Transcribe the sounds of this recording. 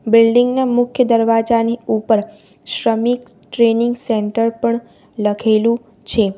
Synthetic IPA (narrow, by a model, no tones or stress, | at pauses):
bɪlɖiŋɡnamʊkʰjəd̪əɾʋad͡ʒaniupəɾ | ʃɾəmik | ʈɾenɪŋɡseɳʈəɾpəɳ | ləkʰelũ | t͡ʃʰe